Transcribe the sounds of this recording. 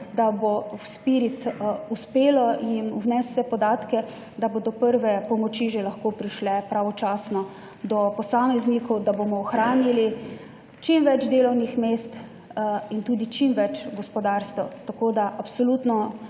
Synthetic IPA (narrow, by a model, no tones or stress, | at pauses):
d̪abowspiɾit̪uspeːlɔinwnɛst̪sɛpɔd̪aːt̪kɛ | d̪abod̪ɔpəɾʋɛpɔmɔt͡ʃiʒelaxkoːpɾiʃlɛpɾaʋɔt͡ʃaːsnɔ | d̪ɔpɔsaːmɛznikɔwd̪abomɔːxɾaːnili | t͡ʃimʋɛd͡ʒd̪eːlɔwnixmeːst̪ | int̪uːd̪it͡ʃimʋɛt͡ʃɡɔspɔd̪aɾst̪ʋɔt̪akod̪aʔapsɔlut̪nɔ